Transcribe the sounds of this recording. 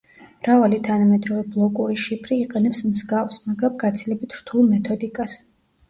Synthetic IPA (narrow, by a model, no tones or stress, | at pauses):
mɾavalit̪ʰanamɛd̪ɾɔvɛblˠɔkʼuɾiʃipʰɾiːqʼɛnɛpsmzɡafsmaɡɾamɡat̪sʰilɛbit̪ʰɾt̪ʰulˠmɛt̪ʰɔd̪ikʼas